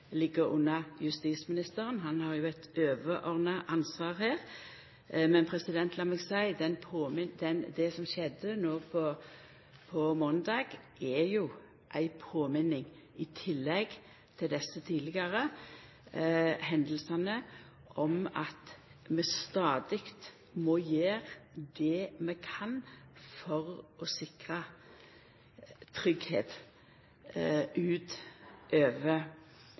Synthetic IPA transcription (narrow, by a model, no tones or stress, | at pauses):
lɪɡəɾʊ̰nːɑjʉst̪iːsmɪnɪst̪əɾənɦɑnhɑʁjʊæɪt̪øːʋəʔɔʁnɑʔɑnsʋɑːʁhæːʁ | mɛnpʰɾɛsɪd̪ɛnt̪ʰlɑmɛɡsæɪd̪ɛnpʰoːmɪd̪ɛnd̪ɛsɔmʃɛd̪ənoːpʰɔ | pʰɔmɔːnd̪ɑːɡ | ɛjʊ | ʔæɪpʰoːmɪnɪŋ | ɪt̪ʰɪlːɛɡ | t̪ʰɪld̪ɛsət̪ʰiːd̪lɪɡɑʁə | hɛnd̪əl̩sɑnə | ʔɔmɑt̪ | mɛst̪ɑːd̪ɪkt̪ | mɔjeːʁd̪ɛmɛkʰɑnfɔʁɔsɪkʁə | t̪ʰʁʏɡhḛːt̪ | ʔʉːt̪ʔøːʋə